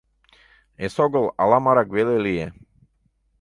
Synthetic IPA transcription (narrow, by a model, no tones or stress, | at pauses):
esoɡolˠa̰lamaɾaɡwelelije